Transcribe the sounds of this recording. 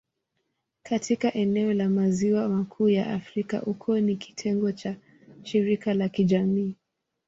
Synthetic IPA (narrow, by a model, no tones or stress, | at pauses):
katʰikaʔɛnɛɔlamaziwamakʰuːjaʔafɾika̰ʔukʰuɔniki̥tʰɛŋɡɔt͡ʃa | ʃiɾikalakiʄamiː